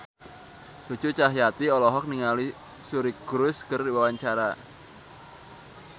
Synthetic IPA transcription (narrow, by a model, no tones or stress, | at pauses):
sut͡ʃut͡ʃaɦjat̪iɔlɔɦɔk̚niŋali | suɾiɡ̥ɾʊskərdiwawaɲt͡ʃaɾa